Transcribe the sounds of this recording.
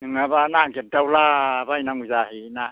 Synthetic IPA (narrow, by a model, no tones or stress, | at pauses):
nɯŋabanaŋɡet̚dawlabajnaŋuzahina